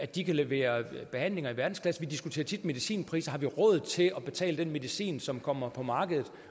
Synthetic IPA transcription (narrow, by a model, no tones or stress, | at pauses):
æd̥ikʰæle̝ʋe̝̰ːɐb̥e̝hæn̰le̝ŋɐiʋæɐd̥n̩skʰlæsn̩ʋid̥isɡ̥ut͡sʰḛːɐt͡sʰid̥me̝ðˠisḭːnpʰʁḭːsɐhɑ̈ʋiʁɔ̽ð̩ˠt͡sʰe̝ɒ̽b̥e̝t͡sʰɛ̰ːləd̥enme̝ðˠisḭːnsɒ̽mkʰɒ̽m̰ɐpʰɒ̽mɑ̈ːɡ̥əð̞̩ˠ